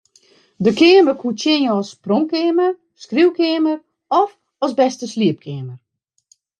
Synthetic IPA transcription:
dəkʰɪːəməkʰutjɪnjəɔsproŋkɪəmər | skriwkɪːəmər | ɔf | ɔsbɛstəsliəp̚kʰɪəmər

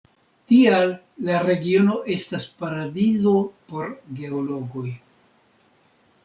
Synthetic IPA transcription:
tialː | aɾe̞ɡio̞no̞ʔe̞staspaɾadizo̞po̞ɾɡe̞olo̞ɡo̞j

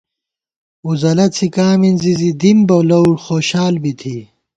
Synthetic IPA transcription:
uzɐlɐt͡sʰikaːminzizid̪imbɐwlɐwɽxoːɕaːlbit̪ʰi

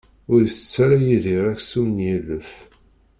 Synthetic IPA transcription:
ʊɾəsət͡sːæɾæjiðiɾˤæçsumnjilːəf

